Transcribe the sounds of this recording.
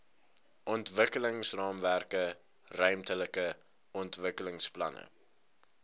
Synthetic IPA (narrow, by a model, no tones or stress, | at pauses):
ʔɔntvəkələŋsrɑːmværkə | rœɥmtələkə | ɔntvəkələŋsplɐ̰nə̰